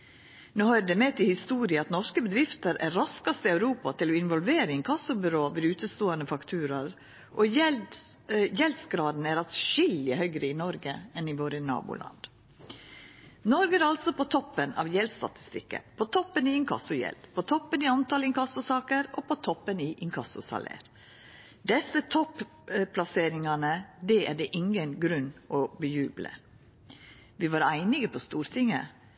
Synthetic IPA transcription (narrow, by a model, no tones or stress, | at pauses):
noːhɑːɾd̪ɛmɛt̪ʰɪhɪst̪uːɾɪəɑt̪nɔʂkəbəd̪ɾɪft̪əɾæɾɾɑskɑst̪əɑʉɾuːpɑt̪ʰɪlɔɪnʋɔlʋeːɾəɪŋkʰɑsʊbʏɾoːʋɛd̪ʉːt̪əst̪oːɑnəfɑkt̪ʰʉːɾɑɾ | ʔɔɛ | jɛld̪sɡɾɑːd̪n̩æɾɑt̪ʃɪlɪhœʏɡɾəɪnɔɾɡəɛnɪʋoːɾənɑ̰ːbʊ̰lʔɑ̰nd̪̥ | nɔɾɡəæɾɑlsɔpʰot̪ʰɔpːənɑ̰ʋjɛlst̪ɑ̰t̪ɪ̥st̪ɪkːə̰pʰoːt̪ʰɔpːəniɪŋkʰɑ̰sʊjɛ̰ld̪pʰot̪ʰɔpːənɪːɑnt̪ɑlɪŋkʰɑsʊsɑːkəɾoːpʰot̪ʰɔpːəniʔɪŋkʰɑsʊ̰sɑ̰lḛːɾ | d̪ɛsət̪ʰɔp | pʰlɑseːɾɪŋɑnəd̪ɛæɖɛʔɪŋənɡɾʉnːʔɔbəjʉːblə̰ | ʋiːʋɑːɾæɪnɪɡəpʰost̪uːɾt̪ʰɪŋə̰